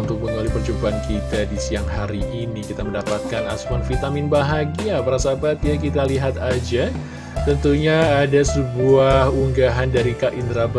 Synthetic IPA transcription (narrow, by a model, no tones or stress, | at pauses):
nt̪ʊk̚məŋulipərt͡ʃumbaːnkit̪adisiaŋɦaɾiʔinikit̪aməndapat̪̚kanasmɔnfit̪amɪnbaɦaɡiapaɾasabat̪jakit̪aliɦat̪ad͡ʒa | t̪ənt̪uɲaːdasəbuahuŋɡaɦandaɾikaʔind̪ɾab